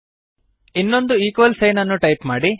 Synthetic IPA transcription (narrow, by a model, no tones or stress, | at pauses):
inːo̞nd̪uiːkʋɐlsɐjnɐnːuʈɐjpmaːɽi